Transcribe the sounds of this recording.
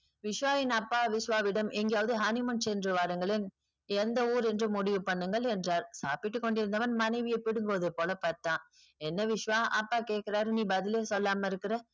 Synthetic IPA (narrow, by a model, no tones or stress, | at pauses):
ʋɪʂʋaːʋɪnɐpːaːʋɪʂʋaːʋɪɽɐmɛŋɡejaːʋɐðɯɦɐnɪmɐnsɛndrɯʋaːɾɐŋɡɐɭɪn | ɛnd̪ɐuːɾɛndrɯmʊɽɪʋɯpɐɳːɯŋɡɐɭɛndraːɾsa̰ːpɪʈːɯkːɔɳɖɪɾɯnd̪ɐʋɐnmɐnɐɪʋɪjɐɪpːɪɽɯŋɡɯʋɐðɐpːoːlɐpɐɾt̪ãː | ɛnːɐʋɪʂʋaːʔɐpːaːkeːʈ̚kɪɾaːɾniːbɐðɪleːsɔlːaːmɐɪɾɯkːɪɾɐ